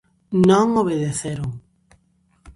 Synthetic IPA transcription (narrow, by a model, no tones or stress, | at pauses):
nõŋoβ̞eðeθeɾoŋ